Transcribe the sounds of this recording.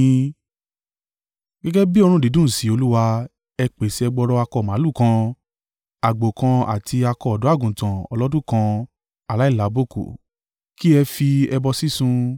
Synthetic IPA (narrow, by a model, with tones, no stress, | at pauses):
ɡɛ˦ɡɛ˦bi˦ɔ˧ɾ̃ũ˦˨di˨˦dũ˦˨si˨˦o˧lu˦wa˧ | ɛ˧k͡pe˨si˧˦ɛ˧ɡ͡bɔ˧ɾɔ˧a˧kɔ˧˨mã˨˦lu˦˨kã˧ | a˨ɡ͡bo˨kã˧a̰˨tʰi˧a˧kɔ˧ɔ˨dɔ̃˨˦a˦˨ɡũ˨tã˨ɔ̰˧lɔ˦dũ˦˨kã˧ | a˨la˨˦i˦˨la˨˦bo˦˨ko̰˨ | ki˦ɛ˧fi˧ɛ˧bɔ˧si˦sũ˧